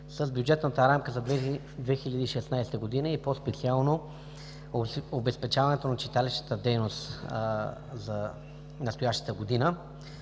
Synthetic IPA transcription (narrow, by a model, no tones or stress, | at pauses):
səzbjud͡ʒɛt̪nət̪əɾamkəzɐ | d̪vɛxilʲəd̪iːʃɛsnajsɛ̥t̪əɡod̪inəipospɛt̪sialˠno | obɛspɛt͡ʃavɐnɛt̪onɐt͡ʃit̪alɛʃt̪ə̥t̪əd̪ɛjnost̪ | zɐ | nɐst̪ojaʃt̪ə̥t̪əɡod̪inə